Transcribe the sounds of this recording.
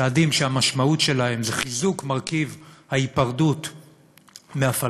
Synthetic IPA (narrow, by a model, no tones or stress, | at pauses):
aːdimʃehamaʃmautʃe̞lahe̞mzeχizukmaʁkivhaipaʁdut | meafa